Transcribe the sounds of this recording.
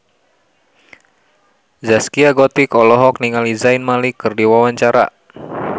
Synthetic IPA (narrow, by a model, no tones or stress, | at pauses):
zaskiaɡɔt̪ikɔlɔɦɔk̚niŋalizainmalikːɨrdiwawaɲt͡ʃaɾa̰